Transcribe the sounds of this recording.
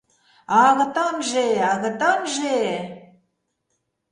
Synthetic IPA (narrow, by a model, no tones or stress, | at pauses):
ɑɣɤt̪ɑmʒeɑɣə̆t̪ɑmʒe